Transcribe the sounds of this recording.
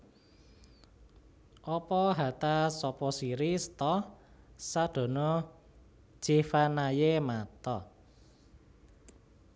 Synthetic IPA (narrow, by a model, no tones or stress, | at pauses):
ʔɔpɔɦa̤t̪asɔpɔsiɾist̪ɔ | sad̪̥o̤nɔ̥ | ʒ̥ifanajemat̪ɔ